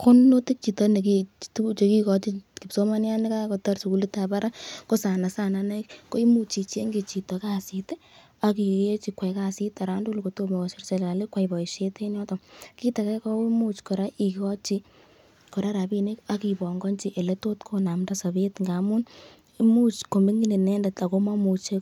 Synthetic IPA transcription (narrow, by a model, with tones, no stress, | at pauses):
ko˦nno˦ti˦k̚t͡ʃi˨tɔne˨kitu˦u˦t͡ʃe˨ki˦kɔ˨t͡ʃi˦ki˨pso˦ma˦nja˦nika˦kotɔ˦rsu˨ku˦li˦ta˨ba˦ɾa˦ko˦sa˨na˨sa˦nana˦kko˦i˦mu˦t͡ʃi˨t͡ʃe˦ŋɡe˨t͡ʃi˨tɔ˨ka˦site | a˨ki˨e˦t͡ʃi˨kwɛ˨ka˦si˦ta˨ɾa˦ndu˦lko˨to˦me˨kɔ˨si˦rse˨la˨le˦kwaibɔ˨i˨ʃe˦te˦njɔ˦tɔ˨ki˦ta˨ka˦kɔ˦i˦mu˦t͡ʃko˨ɾa˦ʔi˨kɔ˦t͡ʃi˧ | ko˨ɾa˦ɾa˨bi˧ne˦ka˦ki˨bɔ˨ŋɡɔ˦nt͡ʃiʔe˨le˦to˦tkʰona˨mda˦sa˨be˦tŋɡa˨mu˦n | imu˦t͡ʃko˨me˦ŋɡine˨nɛ˦nda˨ta˨ko˦ma˦mu˨t͡ʃe˦k